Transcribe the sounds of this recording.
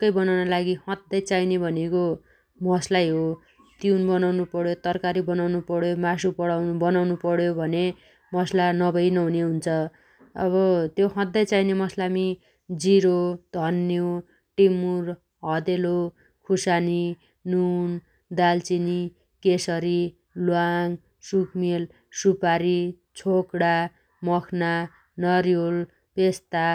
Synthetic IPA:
kʌjbʌnawnʌlaɡihʌ̃d̪ːʌjt͡sajnebʱʌneko | mʌslajɦo | t̪iunbʌnawnupʌɽjot̪ʌrkaɾibʌnawnupʌɽjomasupʌɽawbʌnawnupʌɽjobʱʌne | mʌslanʌbʌjnʌɦuneɦunt͡sʰʌ | ʌ̰βʌt̪joɦʌ̃d̪ːʌjt͡sainemʌslami | d͡ziɾod̪ʱʌnːjo | ʈimur | ɦʌd̪elo | kʰusani | nun | d̪alt͡sini | kesʌɾi | lwaŋ | sukmel | supaɾi | t͡sʰokɽa | mʌkʰna | nʌɾjol | pest̪a

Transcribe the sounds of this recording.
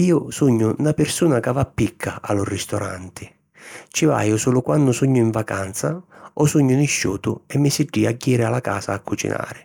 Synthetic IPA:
iːʊsuɲːʊnapɪɾsuːnakavapːikʰːaa̰lʊrɪst̪ɔɾa̰nt̪ɪ | t͡ʃɪva̰ːjʊsuːlʊkwanːʊsuɲːʊiɱvakant̪saɔsuɲːʊnɪʃːṵːt̪ʊɛmːɪsɪɖːiːaɟːiːɾɪalaka̰ːsaːkːut͡ʃḭnʔa̰ːɾɪ

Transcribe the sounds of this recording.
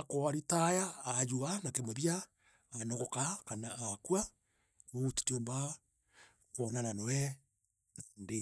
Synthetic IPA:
akoaɾitajaːd͡ʒuanakemoβjaː | noɣokakanaakwa | βouti̥tiomba | kwonananowɛ | nde

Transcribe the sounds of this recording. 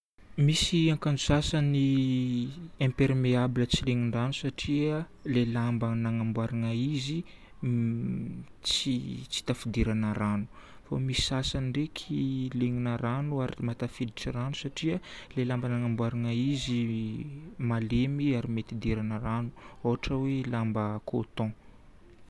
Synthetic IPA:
misiaŋkand͡ʒusasani | ẽmpeɾmeabilət͡sileŋiɳɖ͡ʐanusaʈ͡ʂiə | lelambanaŋambwaɾiŋaizi | t͡sit͡si̥t̪afid̪iɾanəɾanu̥ | fa̰misi̥sasanɖ͡ʐekʰileŋinəɾanuaɾimat̪afid̪iʈ͡ʂiranusaʈ͡ʂiəlelambanaŋambwaɾiŋaizi | malemiaɾimet̪id̪eɾanəranu̥oɦaʈ͡ʂəwelambəkʰot̪ɔ̃

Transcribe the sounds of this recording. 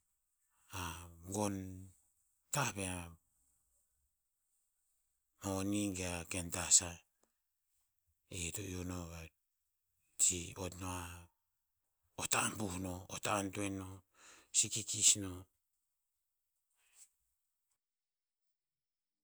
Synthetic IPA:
aŋɡon | tahβea | moniŋɡeakentasa | etoionoβa | t͡ʃiotnoa | otaːmbuhnootaːntuenosikikisno

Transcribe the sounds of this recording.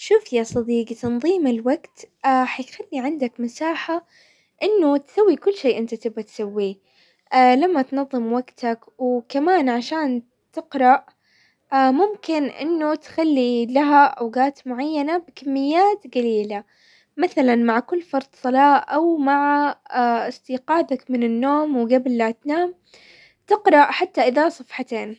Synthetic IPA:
ʃuːfjasˤɑd̪iːqt̪ɑnðˤiːmɪlwaɡt̪aħajxalːiʕɪnd̪akmɪsaːħa | ʔɪnːʊt̪sawːikʊlːʃeːʔɪnt̪at̪ɪbːat̪sawːi | lamːat̪nɑðˤːɨmwaɡt̪akwkamaːnʕaʃaːn | t̪ɪqɾˤɑʔ | mʊmkɪnʔɪ̰nːʊt̪xalːilaɦaʔa̰wɡaːt̪mʊʕajːanabɪkamːɪjːaːt̪ɡaliːla | maθalanmaʕkʊlːfɑɾˤd̪ˤsˤɑlɑːʔawmaʕa | ɪst̪iːqɑːd̪akmɪnɪnːoːmwɡablːat̪naːm | t̪ɪqɾˤɑʔħat̪ːaʔɪðasˤɑfħɑt̪eːn

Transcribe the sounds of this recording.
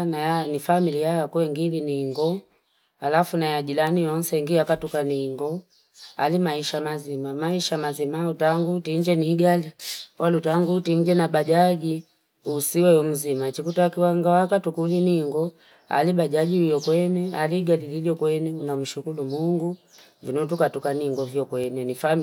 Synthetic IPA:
najanifamilijajakuɛŋɡiliniŋɡɔ | alafunajad͡ʒilanijɔn̩sɛŋɡiakatukaniŋɡɔ | a̰limaiʃamazimamaiʃamazimautaŋɡutiɲd͡ʒɛniːɡaliwalutaŋɡutiɲd͡ʒɛnabad͡ʒaɡi | usiwɛɔm̩zimat͡ʃikutakiwaŋɡawakatukuliniŋɡɔ | a̰libaʄaɡiujɔkwɛnɛaliɡalililjɔkwɛnɛunam̩ʃukulumuŋɡu | vinɔt̬ukatukaniŋɡɔvjɔkwɛnɛnifam

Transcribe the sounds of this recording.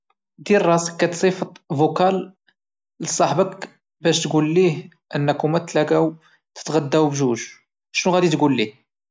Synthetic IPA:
d̪iɾrˤɑskːæt̪sˤifət̪ˤvukæl | ləsˤːɑħbək | bæʃt̪ɡulːih | ʔənːækumæt̪læɡæw | t̪ə̥t̪ɣæd̪ːæwbʒuʒ | ʃnuɣæd̪it̪ɡulːih

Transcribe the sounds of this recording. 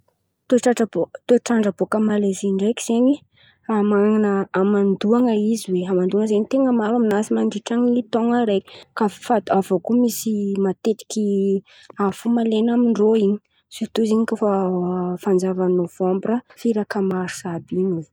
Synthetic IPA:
t̪oʈ͡ʂaʈ͡ʂabot̪oʈ͡ʂaɳɖ͡ʐəbokəmaleziɳɖ͡ʐajki̥z̥eɲi | amanəːmand̪uaŋəiziweɦamand̪uaŋəzeɲit̪eŋəmaɾaminasimaɳɖ͡ʐiʈ͡ʂaŋilit̪oŋəɾejki̥kafat̪avokumisimat̪et̪i̥kʲi | afumalenamiɳɖ͡ʐoiɲi | sit̪uziɲikafafand͡zavanov̥ɔmbrəfiɾakəmaɾu̥sabiɲi

